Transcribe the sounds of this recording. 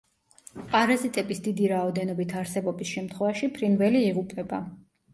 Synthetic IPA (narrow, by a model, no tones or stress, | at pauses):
pʼaɾazit̪ʼɛbisd̪id̪iɾaɔd̪ɛnɔbit̪ʰaɾsɛbɔbisʃɛmt̪ʰχwɛvaʃipʰɾinvɛliːʁupʼɛba